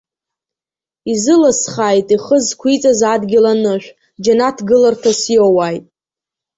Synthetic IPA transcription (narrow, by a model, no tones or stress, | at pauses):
izɨlasχajtʼiχəzkʷʰit͡sʼazadɡʲɪlanɨʃᶣʷ | d͡ʒanatʰɡɨlartʰasjowajtʼ